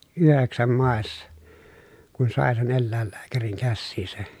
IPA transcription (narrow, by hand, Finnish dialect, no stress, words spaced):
yheksæm mɑˑesːɑ kun sɑˑe sen elːæˑelːæːkæriŋ kæsːiːsæ